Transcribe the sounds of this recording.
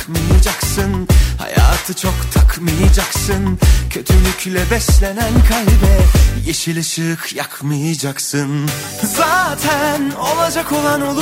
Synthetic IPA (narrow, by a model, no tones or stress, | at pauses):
kmɯjad͡ʒaksɯnha̰ja̰ːt̪ʰɯt͡ʃʰo̞kt̪ʰakʰmɯjad͡ʒaksɯncʰø̞t̪ʰylyclʲɛbɛslʲe̞nænkʰalbɛjeʃɯlˠɯʃɯkʰjakʰmɯjad͡ʒaksɯn | zaːt̪ʰænolˠad͡ʒako̞lˠano̞lˠu